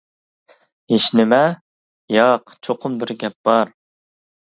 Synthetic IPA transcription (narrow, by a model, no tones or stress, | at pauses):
eʃnɪmɛ | jɑqt͡ʃʰoqʰʊmbɪɾɡʲɛp̚b̥ɑɾ